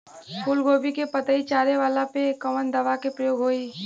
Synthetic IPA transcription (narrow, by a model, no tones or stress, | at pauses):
kuːlɡoːbikepət̪əit͡ʃaːɾeʋaːlapekəʋənd̪ɐʋakepɾɐjoːɡɦoːiː